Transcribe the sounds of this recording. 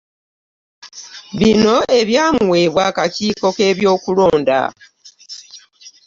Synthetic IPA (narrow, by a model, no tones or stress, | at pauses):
βino̞e̞βjaːmuwe̞ːβwaːkaciːko̞ke̞ːβjo̞ːkulo̞ːnda̰